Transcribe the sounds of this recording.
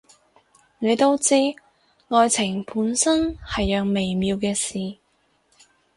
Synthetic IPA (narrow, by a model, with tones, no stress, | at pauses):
ne˨˧jt̪o˥wt͡siː˥ | ŋɔː˨˧jt͡sʰɪ˨˩ŋpʰuː˨˥nsɐ˥nhɐ˨jːœː˨ŋme˨˩jmiː˨˧wkɛː˧siː˨